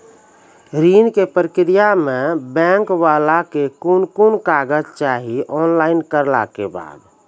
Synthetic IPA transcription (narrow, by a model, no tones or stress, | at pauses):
ɾinkepɾəkɾijamẽbɛ̃ŋkwaːlakekunkunkaːɡəd͡ʒt͡ʃaːɦiʔɔːnlaːɪnkəɾla̰keba̰ːd̪